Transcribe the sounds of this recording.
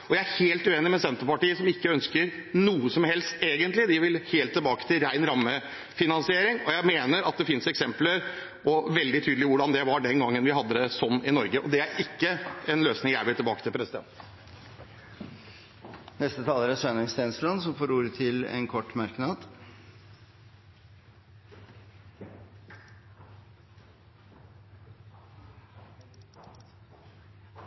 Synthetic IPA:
ɔjæɪæɾheːlt̪ʉeːnɪmɛsɛnt̪əɾpɑʈiːəsɔmɪkːəœnskəɾnuːəsɔmhɛlst̪eːɡənt̪lɪd̪ɪʋɪlheːlt̪ʰːɛlbɑːkə̥t̪ʰɪlɾæɪnɾɑmːə | fɪnɑnsɪeːɾɪŋɔjæɪmeːnəɾɑt̪̚d̪ɛfɪnsɛksɛmpləɾ | ɔʋɛld̪ɪt̪ʰyːd̪lɪʋʊɖɑnd̪ɛʋɑɖɛnɡɑŋːənʋɪhɑd̪ːəd̪əsɔnːɪnɔɾɡəʔɔd̪ɛæɾɪkːəɛnløːsnɪŋjæɪʋɪlt̪ʰɪlbɑːkət̪ʰɪlpʰɾɛsɪd̪ɛ̰nt̪ | nɛst̪ət̪ʰɑːləɾəsœnəŋst̪ɛːnslɑnsɔmfoːɾuːɾət̪ʰɪlɛ̰nkʰɔʈːmɑɾknɑd̪

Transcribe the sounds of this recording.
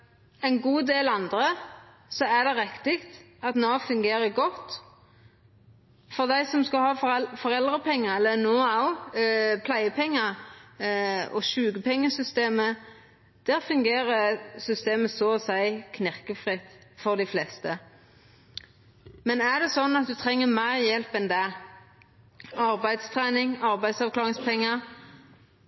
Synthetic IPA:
ɛɪnɡuːd̪eːlɑnd̪ʁə | sɔæd̪ɛʁɛkt̪ɪkt̪ | ɑt̪noːfʉŋɡeːʁəɡɔt̪ː | fɔʁd̪æɪsɔmskɑlhɑːffɔʁɛld̪ʁəpʰɛŋːəɛlːənoːaʊpʰlæɪəpʰɛŋːə | ɔ̰ʃʉːɡəpʰɛŋːəsʏst̪eːmə | d̪̥æːʁfʉŋɡeːʁəsʏst̪eːməsɔɔsæɪkʰnɪʁkəfʁɪt̪fɔʁd̪ɪflɛst̪ə | mɛnæʁd̪ɛsɔnːɑt̪̚d̪ʉt̪ʰʁɛŋːəmæɪʁjɛlpɛnd̪æ | ɑʁbæɪd̪st̪ʰʁæːnɪŋɑʁbæɪsɑʋkʰlɑːʁɪŋspʰɛŋːə

